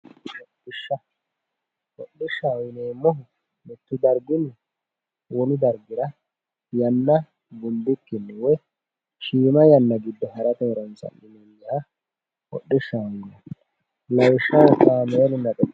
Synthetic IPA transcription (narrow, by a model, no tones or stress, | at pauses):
ɔɗɪʃːɐ | wɔɗːɪʃːaɔjɪneːmːɔ | mɪt̪ːʊd̪ɐɾɡʊnɪ | wɔnʊd̪ɐɾɡɪɾɐ | jɐnːɐ | bʊnd̪ʊkːɪnːɪwɛ | ʃiːmɐjɐnːɐɡɪd̪ːɔɦɐɾɐt̪ɛɾɔnsɐ̰nːɪnɪɪɲːɐhɐ | hɔ̰ɗːɪʃːaɔjɪnɛ | lɐwɪʃːɐwɔt̪ːaːmeːlɪnɐkʼɛ